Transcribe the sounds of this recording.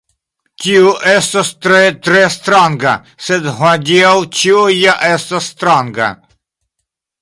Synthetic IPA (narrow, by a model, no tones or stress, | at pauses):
tʲioʔɛst̪ast̪ɾet̪ɾɛst̪ɾaŋɡa̰ | sɛd̪ɦɔd̪ʲiawt͡ʃiojaʔest̪asːt̪ɾaŋɡa̰